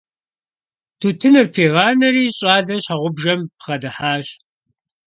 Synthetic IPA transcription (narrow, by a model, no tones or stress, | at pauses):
tʰuːtʰɨnɨrpʰeːʁɑːnɐɾiːɕʼaːzɐɕaʁʷʊbʒɐmpχɐdɨħaːɕ